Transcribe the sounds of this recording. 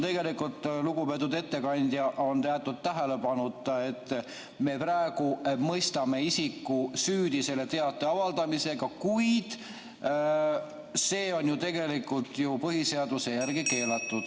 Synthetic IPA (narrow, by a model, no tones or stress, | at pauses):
t̪e̞ɡe̞likult̪ːˑluɡupe̞t̪ːud̪e̞t̪ːe̞kɑnʲd̪̥jɑʔont̪eɑt̪ːˑud̪̥̚t̪ːæɦele̞pɑnut̪ːˑe̞t̪ː | me̞præeɡ̥umɤjst̪ɑme̞isikːˑusyːd̪̥ise̞le̞t̪e̞ɑt̪ːˑeɑvɑld̪ɑmise̞ɡɑkujd̪̥ | se̞ːo̞nʲjut̪e̞ɡe̞likˑult̪ˑjupɤɦise̞ɑd̪̥use̞jærɡike̞ːlɑt̪ˑːud̪̥